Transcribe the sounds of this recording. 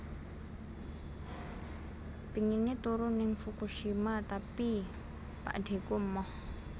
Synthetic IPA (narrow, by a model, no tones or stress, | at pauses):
piŋinit̪uɾunɪŋfukuʃimat̪api | pa̰ʔɖ̥e̤kumːɔ